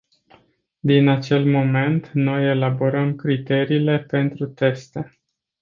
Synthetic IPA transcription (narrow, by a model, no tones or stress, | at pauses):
d̪inat͡ʃe̞lmo̞me̞nt̪no̞je̞labo̞ɾəmkɾit̪e̞ɾiːle̞pe̞nt̪ɾut̪e̞st̪e̞